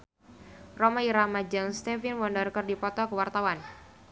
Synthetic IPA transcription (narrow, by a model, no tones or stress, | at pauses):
rɔmaiɾamad͡ʒəŋst̪ɛfinwɔndərkərdipɔt̪ɔkəwart̪awan